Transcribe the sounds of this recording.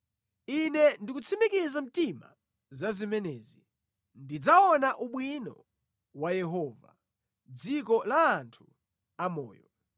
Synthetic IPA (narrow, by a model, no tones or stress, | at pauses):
inɛndikut͡sʰimikizam̩tima̰ | zazimɛnɛːzi | ndid͡zaɔnaʔuɓwinɔ̰ | wajɛɦɔva̰ | d͡zikɔlaːntʰu̥ | amɔ̰ːjɔ